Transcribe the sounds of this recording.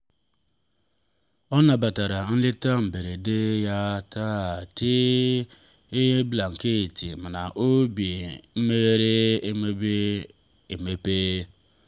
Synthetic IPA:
ɔ˦na˨ba˨ta˨ɾa˨n̩˦lɪ˦ta˦m̩˨be˨ɾe˨de˦ja˦ta˦˨ti˦ | bla˨ŋ̩˨ke˦˨ti˨m̩˨na˨ʔo˦bi˨m̩˦me˦ɣe˦ɾe˦e˦me˦be˦ | e˨me˦peː˦

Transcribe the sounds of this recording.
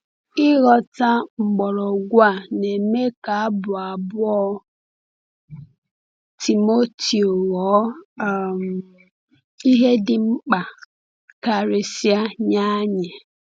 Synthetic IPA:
ɪ˦ɣɔ˨ta˦ŋ͡m̩˨ɡ͡bɔ˨ɾɔ˨ɡʷa˦˨ne˨me˦ka˨a˦bʊ˨a˨bʊ˦ɔ˦ | tʰi˨mo˦ti˨o˨ɣɔ˨˦˨ | i˦ɦe˦dɪ˨ŋ͡m̩˦k͡pa˨ | ka˨ɾe˨si˦a˦ɲa˦ɲe˨

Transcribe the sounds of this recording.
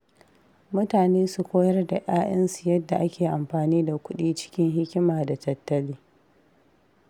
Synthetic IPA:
mʊ˦taː˨neː˦su˨kʷoː˦jɐ˦rda˨ʔaː˦ʔɐ˦nsu˨jɐ˦dːa˨ʔa˦kʲeː˨ʔa˨mɸaː˨niː˦da˨kʷʊ˦ɗiː˦t͡ʃɪ̥˦kʲɪ˦ŋɦɪ˦kʲɪ˦maː˨da˨tɐ˨tːɐ˦liː˦

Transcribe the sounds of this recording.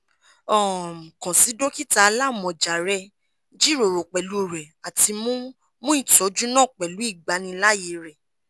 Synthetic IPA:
ɔ˦˨kã˨si˨˦do˦ki˦ta˧la˦˨mɔ̃˨d͡ʒa˨ɾɛ˧ | d͡ʒi˦ɾo˨ɾo˨k͡pɛ˨lu˨˦˨ɾɛ˨a˨ti˧mũ˦ | mũ˦ĩ˦˨tɔ˨˦d͡ʒu˦nãː˦˨k͡pɛ˨lu˨˦i˦˨ɡ͡ba˨˦nĩ˧la˦je˨˦ɾɛ˨

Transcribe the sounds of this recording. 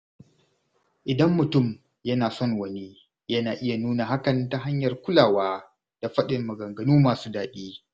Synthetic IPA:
ʔɪ˨dɐ˦mːʊ˨tʊ˦˨m | jɐ˦naː˨sɔ˦ŋwɐ˦ne˦ | jɐ˦naː˨ʔɪ˦ja˨nuː˦naː˨ɦa˦kɐ˨nta˨ɦa˦ɲjɐ˨rkʷʊ˦laː˨waː˦ | d̥a˨ɸɐ˦ɗɪ˨mːɐ˨ɡɐ˨ŋɡɐ˨nuː˦maː˨suː˦daː˨ɗiː˦

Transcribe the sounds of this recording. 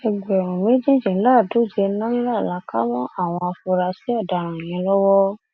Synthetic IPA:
ɛ˧ɡ͡bɛ˨ɾ̃ũ˨mẽ˨˦d͡ʒĩ˦d͡ʒĩ˨˦la˦˨do˨˦˨d͡ʒɛ˧nã˦la˦˨la˨˦ka˦mɔ̃˦ʔa˦˨w̃ɔ̃˧a˧fu˧ɾa˧si˨˦ɔ˦˨da˨˦ɾ̃ã˨e˨j̃ĩ˧˦lɔ˦wɔ˦

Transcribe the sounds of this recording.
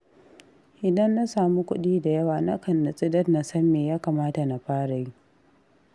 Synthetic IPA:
ʔɪ˨dɐ˦nːa˦saː˨mu˦kʷʊ̰˦ɗiː˦da˨jɐ˦waː˨na˦kɐ˨nːa˨sʼɪ˦dɐ˦tna˨sɐ˦mːeː˨jaː˦kaː˨maː˦ta˨na˨ɸaː˦ɽa˨ji˦

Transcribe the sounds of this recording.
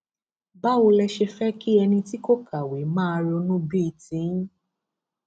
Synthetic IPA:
ba˦wo˧lɛ˧ʃe˧fɛ˦ki˦ɛ˧nĩ˧ti˦ko˦kʰa˨we˨mãː˦˧ɾi˧o˧nũ˦bi˦i˧tĩ˨˦

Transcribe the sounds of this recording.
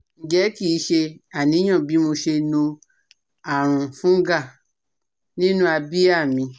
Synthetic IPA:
n̩˨d͡ʒɛ˨˦ki˦˨˦ʃe˧a˨nĩ˨˦ã˦˨bi˨˦mo˧ʃe˧nõ˧ | a˨ɾ̃ũ˨fũ˦ɡa˦˨ | nĩ˦nũ˦a˧bi˦a˦˨mĩ˧

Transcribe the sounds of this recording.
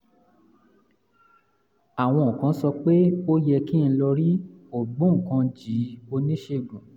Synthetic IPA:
a˨w̃ɔ̃˧o˨kã˨˦sɔ˧k͡pe˦o˦jɛ˧ki˦˧ñ̩˧lɔ˧ɾi˦o˦˨ɡ͡bũ˦ŋ̩˨kã˧d͡ʒi˨˦o˧nĩ˦ʃe˧˨ɡũ˨

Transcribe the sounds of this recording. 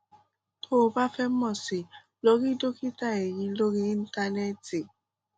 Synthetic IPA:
tʰo˦˨ba˦fɛ˦mɔ˨si˨ | lo˨˦ɣi˦do˦ki˦ta˦˨e˨jĩ˨lo˦ɡi˦i˦n̩˦ta˦nɛ˦ti˨

